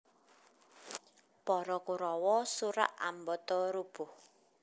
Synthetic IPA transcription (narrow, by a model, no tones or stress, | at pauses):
pɔɾɔkuɾɔwɔsuɾa̰ʔambɔt̪ɔɾub̥ʊ̤h